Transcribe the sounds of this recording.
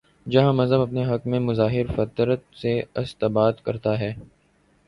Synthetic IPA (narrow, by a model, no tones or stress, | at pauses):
d͡ʒɐɦãmɐzəbɐpneɦɐkmẽmʊzaːɦɪɾfɐt̪ɾət̪̚seɐst̪əbaːd̪kɐɾt̪aɦɛː